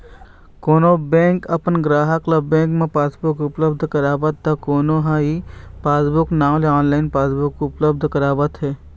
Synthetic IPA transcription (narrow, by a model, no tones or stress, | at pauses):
koːnobɛ̃ːŋkɐpənɡɾaːɦəkləbːẽːŋkmẽpaːsbʊkʊpləbd̪ʱkəɾaːʋət̪̚ːakoːnoɦãipaːsbʊknaːmleaːnlaːɪnpaːsbʊkːʊpləbd̪ʱkəɾaːʋət̪ɦɛː